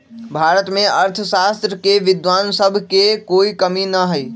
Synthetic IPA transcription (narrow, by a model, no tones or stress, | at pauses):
bʱaɾət̪mẽəɾt̪ʰəsast̪ɾəkeʋɪd̪ʋansəbʱkekoikəminəɦəj